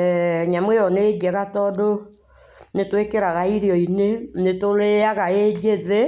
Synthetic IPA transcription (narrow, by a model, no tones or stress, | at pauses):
ɲamweɔneɡɛɣatɔdo | netwekeɾaɣaiɾiɔinenetoleaɣaed͡ʒeðe